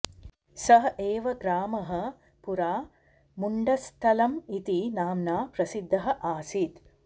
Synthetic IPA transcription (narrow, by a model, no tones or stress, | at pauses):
sɐɦɐeːʋɐɡɾaːmɐɦɐ̆ | puɾaː | muɳɖɐst̪ʰɐlɐmit̪inaːmnaːpɾɐsid̪ʱːɐɦɐ̆ʔaːsit̪